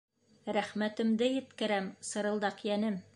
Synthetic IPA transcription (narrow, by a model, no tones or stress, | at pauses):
ɾæχmæt̪ɘ̆md̪ɘjɘ̆t̪kɘ̆ɾæmsɤ̆ɾɤ̆lˠd̪ɑqjænɘm